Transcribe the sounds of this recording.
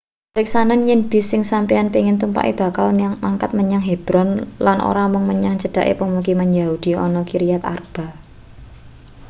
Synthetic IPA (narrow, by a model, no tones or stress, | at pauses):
pɾiksananjɛnb̥isɪŋsampianpiŋɪnt̪umpa̰ʔḭb̥a̤kalmmaŋkat̪̚məɲaŋɦeb̥ɾɔnlanʔo̰ɾamʊŋməɲaŋt͡ʃəd̥a̤ʔḛpəmuk̬imanjaud̥iɔ̰nɔkiɾijat̪a̰rb̥a̤